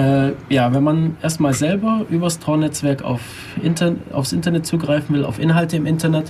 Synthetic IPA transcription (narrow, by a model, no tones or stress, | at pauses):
ʔɛːjaːvɛnmanʔeːɐstmaːlzɛlbɐʔyːbɐstʁ̥ɔːnɛt͡sv̥ɛɐka̰ʊf | ʔɪnɐʔa̰ʊfsʔɪntɐnɛt̚t͡suːɡʁaɪfn̩vɪla̰ʊfʔɪnɦaltəɪmʔɪntɐnɛt